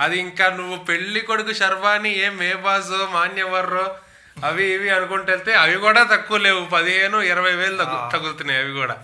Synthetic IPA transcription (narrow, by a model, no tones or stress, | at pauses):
ɐd̪iːŋkaːnuʋːupe̞ɭːikoɽuk̬uʃɐɾʋaːnieːmːɛːbaːs̬oːmaːnjɐʋɐɾːoː | ɐʋiʋiɐnukoɳʈeɭt̪eːɐʋikuːɽaːt̪ɐkːuːle̞ːwupɐd̪iɦe̞ːnuiɾɐʋɐjʋe̞ːɭut̪ɐɡut̪unːajɐʋikuːɽa̰ː